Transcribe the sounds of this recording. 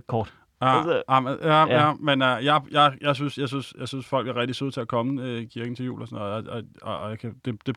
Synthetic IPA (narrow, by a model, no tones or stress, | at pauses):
kʰɒːd̥ | ɑmeææmenjɑ̈ɪjɑ̈ɪjɑ̈ɪsynsjɑ̈synsjɑ̈ɪsynsfɒ̽l̰ɡ̥æɐʁɛɡ̥̚d̥isuð̰ˠt͡sʰe̝ækʰɒ̽məøkʰiɐɡ̥n̩t͡sʰe̝jṵːlɒsɔnɔ̽ːð̩ˠɒɒɒjɑkʰæd̥e̝d̥e̝